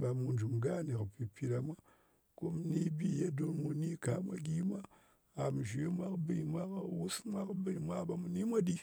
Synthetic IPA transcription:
ba˨mu˧nd͡ʒu˨mɡa˦˨ne˨kpi˨pi˧ɾa˨mʷa˦ | ko˦m˦ni˦bi˦ja˦do˦nmu˨ni˦ka˨˦mʷa̰˦ɡʲi˦mʷa˦ | a˨m˨ʒe˦mʷa˦kbi˦˨mʷa˦ka˨wu˦smʷa˦kbɨ˦˨mʷa˦ba˨mu˨ni˦mʷa˦di˦

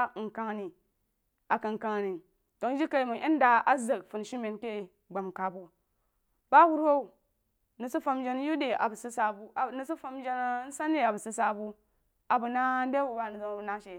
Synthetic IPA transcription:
ŋ̩˨ka˦ŋ˨ni˨ | a˨ka˨ŋ˨ka˨ŋ˨ni˨ | to˨˦d͡ʒi˦ka˨˦i˨mu˨ʔe˦n˦da˨a˦za˨kfu˨nʃi˦me˨nke˦˨ | ɡ͡ba˨mka˨bo˨ | ba˦wu˦ɾo˦u˨ | ni˨su˦fa˦md͡ʒe˦n˦ju˦de˨ʔa̰˨bu˨si˦sa˨bu˨ni˨su˦fa˦md͡ʒe˦n˦n̩˦sa˦ne˦a˨bu˨si˦sa˨bu˦ | a˨bu˨na˦de˦bu˨ba˨ni˨zo˨na˦ʃe˨

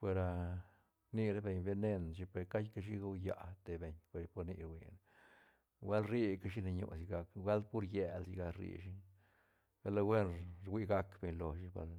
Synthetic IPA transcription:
pʷwe˧ɾa˧ | ni˧ɾe˦be˨ɲbe˧ne˦nʃi˧pe˨ɾka˦jka˦ʃi˦ɡa˦wja̰˨t̪e˧be˨ɲpe˨ɾpo˧ɾnḭ˧ɾwʷḭ˧n | we˦lɾi˦ka˦ʃ̬i˦ne˧ɲo̰˧si˧ɡa˧kwʷa˦ld̪̚pu˦ɾje˧˨lsi˧ɡa˧ɾḭ˧ʃi˦ | ɡa˦la˧wʷe˦nɾwʷi˧ɡa˧kbe˨ɲlo˨ʃi˧˦ba̰˧l

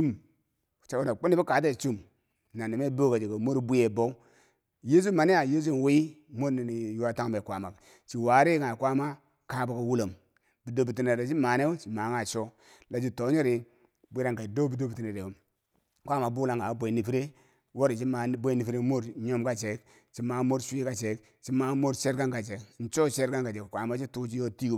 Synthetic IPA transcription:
u˦m˨ | t͡ʃa˨u˦na˨k͡pu˦ni˦bi˦ka˨˦t̬e˦˨t͡ʃu˦m | na˨ni˨me˦bo˦ka˨d͡ʒe˨ko˨mo˦ɾbu˦e˨bo˦u˦ | je˦s̬u˦ma˨ni˦ja˨je˦s̬u˦n˨we˦i˦mo˦ɾni˨ni˨ju˦a˦ta˦ŋ˦be˨kʷa˨ma˨ | t͡ʃi˨wa˨˦ɾi˦ŋa˨kwa˦ma˦ | ka˦ba˨ka˨wu˦lo˨m | bi˨do˨bi˨ti˨ne˨ɾe˨t͡ʃi˦ma˨ne˦t͡ʃi˨ma˨˦ŋa˨t͡ʃo˦ | la˨d͡ʒi˦to˨˦ɲo˦ɾi˨ | bi˦ɾa˨ŋka˨do˦bi˨˦do˦bi˨ti˨ne˨ɾe˨o˦ | kʷa˦ma˨bu˦la˦ŋɡa˨˦be˨ni˨fi˦ɾe˦ | wo˦ɾi˨t͡ʃi˦ma˨˦bʷo˦ni˨fi˦ɾe˦mo˦ɾɲo˦mka˦t͡ʃe˨˦k | t͡ʃi˦ma˨˦mo˦ɾʃʷi˦ka˦t͡ʃe˨k | t͡ʃi˦ma˨mo˦ɾt͡ʃe˦ɾka˦ŋka˨t͡ʃe˨kn̩˨t͡ʃo˦t͡ʃe˦ɾka˦ŋka˨d͡ʒe˨kkʷa˨˦ma˦t͡ʃi˦tu˦t͡ʃi˦jo˦ti˦

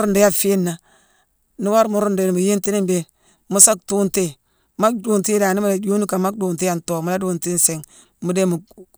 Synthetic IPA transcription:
ɾu˦nde˦ja˦fi˦nːa˨ | ni˦wa˦ɾmu˨ɾu˦nde˨ni˨mu˨je˦nti˦ni˦be˨ | mu˦sa˦k̚tu˦nte˦ | ma˦kdu˨nti˦daː˨ni˦mu˦da˨d͡ʒu˦ni˦ka˨ma˦k̚du˨nti˦ja˨nto˨mu˨˦la˦du˨nti˦nse˨ŋ | mu˦de˦mu˨

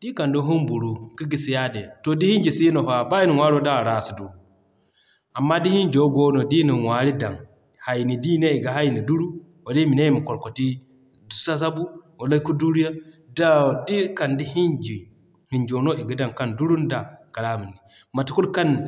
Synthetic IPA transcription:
di˦ka˨ndo˦ɦu˦mbu˨ɾu˦ki˦ɡi˨si˨ja˦dɛ˨to˨di˦hi˦nd͡ʒi˨si˦no˨fa˨ba˦i˦ni˨wa˦ɾo˦da˦˨ɾa˨su˨du˨ | ʔa˨mːa˦di˦hi˦ɲd͡ʒo˦ɡo˦no˨di˦ni˨nwa˨ɾi˦da˨ŋ | ha˨jni˨di˦ne˦i˨ɡa˨ɦa˦jni˨du˦ɾu˦ | wo˨di˦mi˨ne˦mi˨kɔ˨lko˨ti˦ | du˨sa˦sa˦bu˦ | o˨la˦ku˦du˦ɾi˦ja˦da˦˨di˦ka˨ndi˦hi˦nd͡ʒi˨ | hi˨ɲd͡ʒo˨no˦i˨ɡi˦da˨ŋka˦˨ndu˦ɾu˦nda˨ka˨la˦mu˨nːi˨ | ma˨ti˨ku˦lka˦n

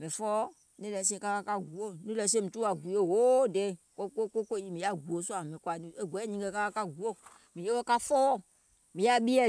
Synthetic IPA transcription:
mɛ̃˨fɔ˦ | ni˦lɛ˨˦se˦ka˦ka˦ka˦ɡu˨o˦˨nĩ˦lɛ˨˦s̬e˦mi˨tu˦a˨ɡu˨˦o˦˨ɦo˦de˨˦ko˦ko˦ko˦kʷo˦˨ji˦˨mĩ˨ja˦ɡu˨o˨˦su˦a˨mẽ˨kʷa˨˦e˦˨ɡʷɛ˨˦ɲĩ˨˦ɡe˦˨ka˦ka˦ka˦ɡu˨˦o˦ | mĩ˨je˦wo˦ka˦fɔ˦ | mĩ˨ja˦bi˦ɛ˦˨

